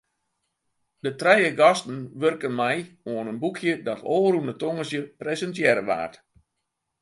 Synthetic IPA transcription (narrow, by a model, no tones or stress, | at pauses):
dətrɛjəɡɔstən̩ʋørkənmɛjoənənbukʰjədɔtʰoːrundətoŋəsjəpresəntjɛɾəʋa̰ːrt